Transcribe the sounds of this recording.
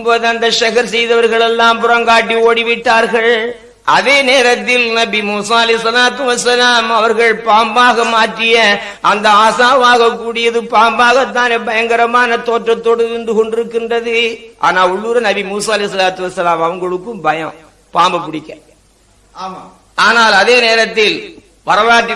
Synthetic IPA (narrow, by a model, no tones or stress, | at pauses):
mboːðɯɐnd̪ɐʃɐɣɐɾsɛjðɐʋɐɾɣɐɭɛlːãːmpʊɾɐŋɡaːʈːioːɽiʋɪʈːaːɾɣɐɭ | ʔɐ̰ðeːneːɾɐt̪ːɪlnɐbimuːsaːɐlɛɪsɐlaːt̪ɯʋɐsɐlaːmɐʋɐɾɣɐɭpaːmbaːɣɐmaːʈrɪjɐ | ʔɐnd̪ɐaːsaːʋaːɣɐkːuːɽɪjɐðɯpaːmbaːɣɐt̪ːaːnɛbɐjɐŋɡɐɾɐmaːnɐt̪oːtʈrɐt̪ːoːɽɐʋɪnd̪ɯkɔɳɖɪɾɯkːɪndrɐðɯʔa̰ːnaːʊɭːuːɾɐnɐbimuːsaːɐlɛɪs̬ɐlaːt̪ɯʋɐsɐlaːmɐʋɐŋɡɐɭɯkːɯmbɐjɐ̃ | paːmbɐpːɪɽɪkːɐ | aːnaːlɐðeːneːɾɐt̪ːɪl | ʋɐɾɐlaːʈːɪ